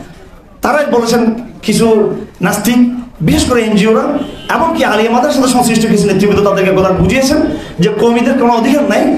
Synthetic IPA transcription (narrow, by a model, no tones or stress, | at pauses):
t̪aɾabolet͡ɕʰenkit͡ɕʰunast̪ʰibiʃeʃkoɾeejnd͡ʑioɾaeboŋkialiemad̪ʱeɾʃɔnd̪eʃɔŋsɾiʃʈʰokit͡ɕʰunet̪ːɾibod̪ot̪ad̪eɾkeɡolaɾbud͡ʑʱijet͡ɕʰen | d͡ʑekomid̪eɾkɾoɽ̃aod̪ʱikanːaj